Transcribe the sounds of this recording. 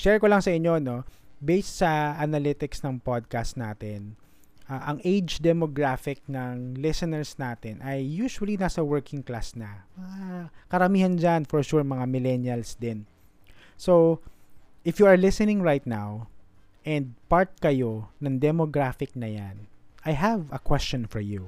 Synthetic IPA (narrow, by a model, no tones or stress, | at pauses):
ʃɛɹkolɐŋsɐʔɪɲːo̞no̞bejst̪sɐʔɐnɐlɪt̪ɪksnɐŋpad̪̚kast̪naːt̪ɛn | ʔaʔɐŋʔejd͡ʒd̪ɛmoɡɹafɪk̚nɐŋlɪsɛnɛɹsnaːt̪ɛnʔɐjːuːʃʊwɐlinaːsɐwɛɹkʰɪŋkla̰snɐmɐŋakɐɾɐmiːhɐnd͡ʒanfɔɹʃuɹmɐŋamɪlɛnjɐlsd̪ɪn | so | ʔɪfjuɐɹlɪsɛnɪ̃ŋɹajt̪̚naw | ʔɛnd̪̚paɹt̪̚kɐjo̞nɐŋd̪ɛmoɡɹafɪk̚nɐjanʔɐjɦɐvɐkwɛst͡ʃɔnfɔɹju